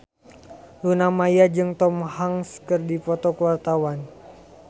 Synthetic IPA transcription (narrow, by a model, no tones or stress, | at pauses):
lunamajad͡ʒɨŋt̪ɔmhaŋskɨrdipɔt̪ɔkəwart̪awan